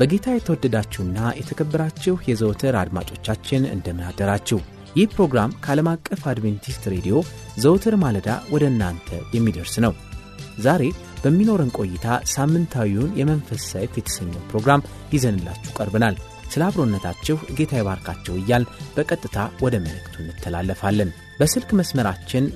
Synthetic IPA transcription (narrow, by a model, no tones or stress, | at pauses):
b̥əɡe̞t̪ʰajɛt̪ʰəwɔd̪ːəd̪at͡ʃːɛwɨnːajɛt̪ʰəkʰəbːəɾat͡ʃːɛhjɛzəwt̪ʰɨɾa̰d̪ma̰t͡ʃʼo̞t͡ʃːat͡ʃːɪnɨ̰nd̪əmɨnad̪ːəɾat͡ʃːɛw | jɪhpɾo̞ɡɾamkʰəaləmakʼːəfad̪vent̪ʰist̪ɾe̞d̪ijo̞ | zəwt̪ʰɨɾmaləd̪a̰wɔd̪əɨnːant̪ʰə̰jɛmːid̪əɾsnəw | zaɾe̞ | b̥əmːino̞ɾənkʼo̞jːɪt̪ʰasamːɨnt̪ʰawiunjɛmənfəsajt̪jɛt̪ʰə̥səɲːɛwpɾo̞ɡɾam | jɪzənɨlːa̰t͡ʃːukʼəɾbɨnal | sɨlaβɾo̞nːət̪ʰat͡ʃːɛhɨɡe̞t̪ʰajɛβaɾkʰat͡ʃːɛwɨjːalb̥əkʼət̪ʼːɨt̪ʰawɔd̪əməlɨkʼt̪ʰunːɨt̪ʰːəla̰lːəfalːən | bəsɨlkməsməɾat͡ʃːɪn